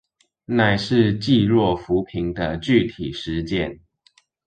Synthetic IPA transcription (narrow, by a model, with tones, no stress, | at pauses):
na˨˩ɪʂɻ̩˥˧t͡ɕi˥˧ɻwɔ˥˩fu˨˧˥pʰi˧˥ŋd̪ə˧t͡ɕy˥˨t̪ʰi˨˩ʂɻ̩˧˦t͡ɕjɛ˥˨n